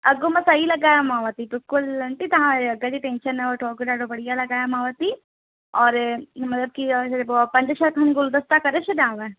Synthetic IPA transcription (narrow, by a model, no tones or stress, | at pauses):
ɐɡomɐsailɐɡaːjamãːʋət̪ibɪlkʊlɐɳʈit̪ɐɦãɐɡad͡ʒiʈẽːnʃənɛ̃oʈoːkɖaːɖobɐɽijalɐɡaːjamãːʋət̪i | ɔːɾmɐt̪ləb̚kipɐ̃ɲd͡ʒəʃɐɾkʰaniɡʊld̪ɐst̪akɐɾet͡ʃʰed̪ãːʋe